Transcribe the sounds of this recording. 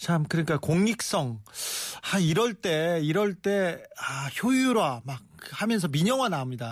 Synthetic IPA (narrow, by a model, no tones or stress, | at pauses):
t͡ɕʰamkɯɾʌɲik͈akoŋɲik̚s͈ʌŋ | haiɾʌɭt͈e̞iɾʌɭt͈e̞açjojuɾamak̚hamjʌnsʰʌmiɲʌŋwanaumɲida